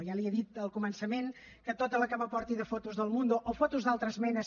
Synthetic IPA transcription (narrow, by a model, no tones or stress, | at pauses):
jaliəðit̪əlˠkumənsəmen | kət̪ot̪ələkaβəpɔɾt̪iðəfot̪uzðəlˠmund̪uʔofot̪uzd̪alˠt̪ɾəzmɛnəs